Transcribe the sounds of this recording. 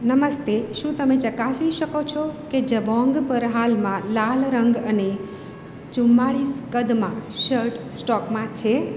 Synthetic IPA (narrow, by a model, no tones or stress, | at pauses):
nəməst̪eʃũt̪əmet͡ʃəkasiʃəkot͡ʃʰɔked͡ʒəbʱɔ̃ŋɡpəɾɦalmãlalɾəŋɡəne | t͡ʃʊmːaɭiskəd̪mãʃəɾʈsʈɔkmãt͡ʃʰe